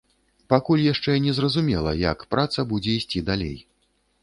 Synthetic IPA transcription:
pakulʲjaʂt͡ʂɛnʲɛzrɐzumʲɛlˠɐ̰jɐ̰kpɾat̪sɐbud͡zʲɛisʲt͡sʲid̪alʲḛj

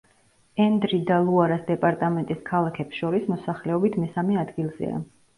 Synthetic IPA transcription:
ɛnd̪ɾid̪alˠuaɾasd̪ɛpʼaɾt̪ʼamɛnt̪ʼiskʰalˠakʰɛpsʃɔɾismɔsaχlɛɔbit̪ʰmɛsamɛad̪ɡilˠz̥ɛ̰a̰

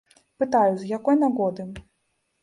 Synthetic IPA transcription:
pɨt̪ajuzjakɔjnaɣɔd̪ɨ

